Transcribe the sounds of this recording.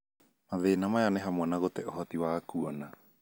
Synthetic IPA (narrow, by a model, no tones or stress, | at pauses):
maðeːnamajanɛɦamwanaɣotɛʔoɦɔtiwakuɔna